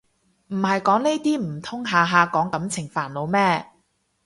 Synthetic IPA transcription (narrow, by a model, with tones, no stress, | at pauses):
m̩˨˩hɐ˨jkɔː˨˥ŋne˥t̪iː˥m̩˨˩t̪ʰʊ˥ŋɦaː˨˧ɦaː˨˧kɔː˨˥ŋkɐ˨˥mt͡sʰɪ˨˩ŋfaː˨˩nlo˨˧wmɛː˥